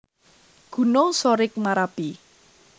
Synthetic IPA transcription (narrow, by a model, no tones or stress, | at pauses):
ɡ̥ṳnosoɾɪk̚maɾab̥i